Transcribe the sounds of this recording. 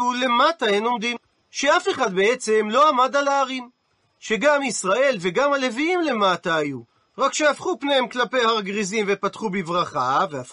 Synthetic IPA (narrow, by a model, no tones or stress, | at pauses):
ule̞mataeno̞md̪im | ʃe̞afe̞χad̪̚be̞et͡se̞mlo̞amadalaːʁin | ʃe̞ɡamisʁae̞lve̞ɡamhale̞viimle̞mataːju | ʁakʃeafχupne̞hemklape̞jhaʁaɡʁizimvepatχubivʁaχaveaf